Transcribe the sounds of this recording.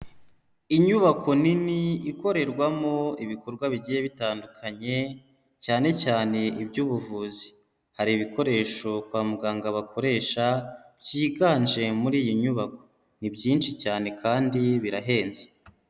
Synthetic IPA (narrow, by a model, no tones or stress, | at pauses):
iɲuβakʰo̞niniːko̞ɾe̞ɾɡwamo̞iβiko̞ɾɡwaβiɟije̞βitaːndukʰaɲe̞ | caːnecaːne̞ibɟuːβuvuːzi̥ | haɾiβiko̞ɾe̞ːʃo̞kwaːmuɡaːŋɡaβakʰo̞ɾe̞ːʃabɟiːɡaːnʒe̞muɾiːjiɲuβako̞̥ | nibɟiːnʃicaːne̞kʰaːndiβiɾaɦe̞ːnze̥